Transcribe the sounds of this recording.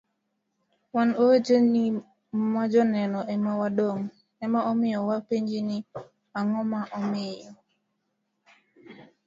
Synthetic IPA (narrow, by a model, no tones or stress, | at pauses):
wanod͡ʒoni | mad͡ʒɔnɛnɔʔɛmawaɗoŋ | ɛmaʔɔmɪjɔwapeɲd͡ʒini | aŋɔmaʔɔmɪjɔ